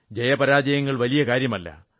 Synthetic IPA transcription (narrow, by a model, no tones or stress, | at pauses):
d͡ʑɐjɐpɐɾaːd͡ʑɐjɐŋːɐɭʋɐlijɐkaːɾjɐmɐlːɐ̰